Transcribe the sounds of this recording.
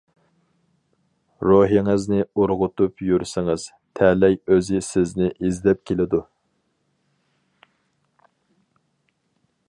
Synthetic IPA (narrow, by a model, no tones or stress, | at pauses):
ɾoɦiŋɨznɪuɾʁʊt̪upjyɾsɪŋɨz̥ | t̪ʰɛlɛjøzɪsɪznɪʔizlɛp̚kʲʰelɪd̪u